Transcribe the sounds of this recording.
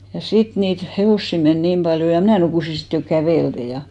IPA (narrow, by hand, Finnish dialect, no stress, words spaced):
jɑ sit niːt heʋoˑsːi men niːm b̥ɑljo jɑ mnæˑ nukuˑsi sit jo kæʋeˑlte jɑ